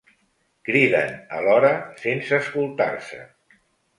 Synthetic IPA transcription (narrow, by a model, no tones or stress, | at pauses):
kɾiðə̰nə̰lɔɾəsensəːskulˠt̪a̰rsə̰